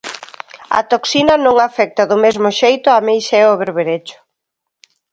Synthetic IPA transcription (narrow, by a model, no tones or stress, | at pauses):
ɐ̰t̪oksinɐnõŋafɛk̚t̪aðʊmezmʊʃejt̪ʊamejʃaɛoβeɾβeɾet͡ʃʊ̥